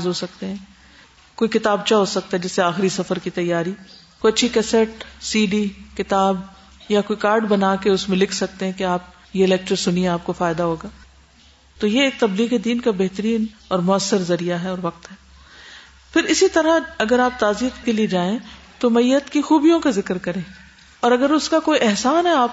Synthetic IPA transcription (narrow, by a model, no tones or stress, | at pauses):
zɦosɐkt̪eɦɛ̃ | koːikɪt̪aːb̚t͡ʃaɦosɐk̚t̪aɦɛd͡ʒɪsːeaːxɪɾisɐfəɾkit̪ɐjːaːɾikoːjɐtːʃʰikɛsɛʈsiːɖikɪt̪aːb | jakoːikaːɾɖbɐnaːkeʊsmẽlɪkʰsɐk̚t̪eɦɛ̃keaːp̚ | jeɪlɛːk̚ʈəɾsʊnieaːp̚kofaːɪd̪aɦoːɡaː | t̪ojeeːk̚t̪ɐbliːɣed̪iːnkabɛɦt̪əɾiːnɔːɾmʊɐsːəɾzɐɾijaɦɛɔːɾʋɐq̚t̪ɦɛː | fɪɾɪsit̪ɐɾaɐɡəɾaːp̚t̪aːziːət̪kelied͡ʒaːẽ | t̪omɐiːət̪kixuːbijõkazɪkɾkɐɾẽː | ɔːɾɐɡəɾʊskakoːiʔɛɦsaːnɦɛaːp